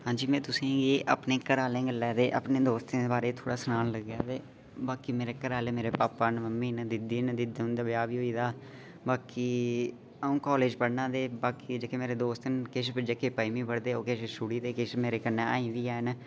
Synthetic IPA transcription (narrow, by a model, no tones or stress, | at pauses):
ɦãːɲd͡ʒiːmɛ̃ːt̪ʊsĩːɡeːʔa̰ːpneːkəɾaːlẽːɡəlːɛːd̪eːʔa̰pneːd̪oːst̪ẽːd̪eːbaːɾeːt̪ʰoːɽaːsənaːnləɡjaːd̪eː | baːkiːmeːɾeːkəɾaːleːmeːɾeːpaːpːaːnməmːiːnd̪ɪd̪iːnd̪ɪd̪ɦʊ̃nd̪aːbɪjaːʋiːɦoːiːd̪aː | baːkiː | əũːkɔːleːd͡ʒpəɽnãːd̪eːbaːkiːd͡ʒeːkeːmeːɾeːd̪oːst̪nkɪʃpd͡ʒeːkeːpaːimĩːpəɽd̪eːoːkeʃsuːɽiːd̪eːkɪʃmeːɾeːkənːẽːaːĩːʋiːaːen